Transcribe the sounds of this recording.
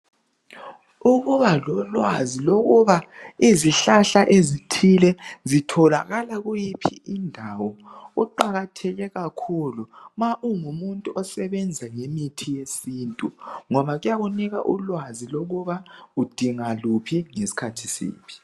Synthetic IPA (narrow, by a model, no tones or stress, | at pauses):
uɣuβalɔlwa̰ziloɣuβaiziɬaɬaʔezitʰilɛzitʰɔla̰ɣalaɣujipʰiindʱawɔuǃaɣatʰɛɣɛɣakʰulumaʔuŋumuntʼuʔɔsɛβɛnd͡zʱaŋemitʰijesiːntʼuŋɔβaɣujaɣuniɣa̰ʔṵlwaziloɣuβaud̥ʱiŋalupʰiŋesi̥kʰatʰisḭːpʰi̥